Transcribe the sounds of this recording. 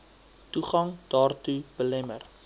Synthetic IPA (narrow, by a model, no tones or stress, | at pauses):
tuχɐŋd̥ɑːrtub̥əlɛmər